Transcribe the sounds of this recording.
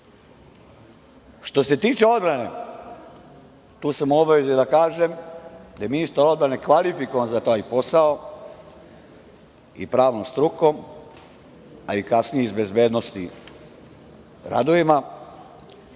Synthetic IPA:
ʃt̪o̞se̞t̪iːt͡ʃeo̞d̪bɾane̞̰ | t̪uːsamobaizijed̪akaːʒe̞md̪ajeminist̪aɾo̞d̪̚bɾane̞kʋalifikoʋanzat̪aːjpo̞sao | ḭpɾaːʋnomst̪ɾukom | aikasnijeizbe̞zbe̞ːd̪nost̪ḭ | ɾa̰d̪oima

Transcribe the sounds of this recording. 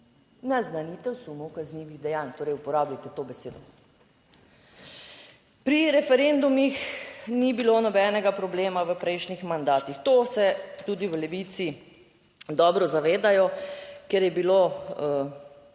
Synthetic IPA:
naznanit̪ɛwsumɔwkazniʋiɣd̪ɛjant̪oːɾɛjupɔɾaːblajt̪ɛt̪oːbɛseːd̪ɔ | pɾiɾɛfɛɾend̪umixnibilonɔbɛːnɛɡapɾɔbleːmaʋəpɾɛjʃnixmand̪aːt̪ixt̪oːsɛt̪ud̪iʋəlɛʋit̪si | d̪ɔːbɾɔzaʋeːd̪ajɔkɛɾjɛbilo

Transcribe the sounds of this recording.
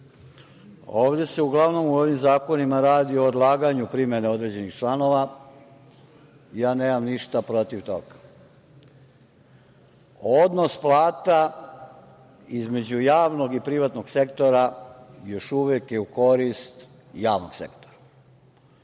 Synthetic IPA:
oːʋd̪e̞se̞uɡlˠaʋno̞muoʋimzaːko̞nimaɾaːd̪io̞ːd̪lˠaːɡaɲupɾimeneo̞d̪ɾe̞d͡ʑe̞nixt͡ʃlˠano̞ʋa | jaːne̞ːmamniʃt̪apɾo̞t̪iʋt̪o̰ɡa | od̪nosplˠaːt̪a | izme̞d͡ʑujaːʋno̞ɡipɾiʋat̪no̞ɡse̞kt̪o̞ɾajo̞ʃuʋekjeuko̞ɾist̪ | jaːʋnoɡ̥sḛkt̪oɾa

